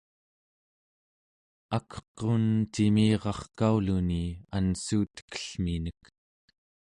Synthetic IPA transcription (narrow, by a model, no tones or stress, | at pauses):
akqont̪imiːʁɑχkauluniansuːt̪ə̥kə̥ɬminək